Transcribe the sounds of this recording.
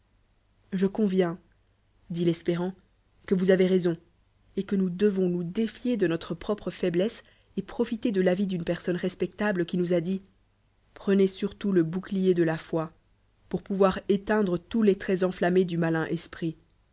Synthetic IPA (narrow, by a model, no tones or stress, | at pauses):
ʒəkɔ̃vjɛ̃ | d̪ilɛspeʁɑ̃ | kəvuzaveʁezɔ̃ | ekənud̪əvɔ̃nud̪efjed̪ənɔt̪χəpχɔpχəfɛblɛs | epχɔfit̪ed̪əlavid̪ynpɛʁsɔnʁɛspɛk̚t̪abləkʲinuzad̪i | pχənesyʁt̪uləbuklijed̪əlafwa | puʁpuvwaʁet̪ɛ̃d̪ʁət̪ulɛt̪χɛzɑ̃flamed̪ymalɛ̃ʔɛspχi